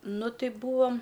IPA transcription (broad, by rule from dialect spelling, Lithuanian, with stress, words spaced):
ˈnʊ ˈtʲɪ ˈbuːɐm